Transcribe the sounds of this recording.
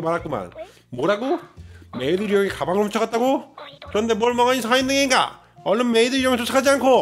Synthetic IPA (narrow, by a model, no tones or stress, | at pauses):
maɾak͈uma̰n | moɾaɡome̞idɯɾijʌŋekabaŋɯɭɸʰut͡ɕʰʌɣat̚t͈aɡokɯɾʌnde̞mwʌɭmʌŋaɲisʰaindɯŋeinɡa̰ | ʌɭːʌnmeidɯɾijʌŋesʰosʰakʰad͡ʑiankʰo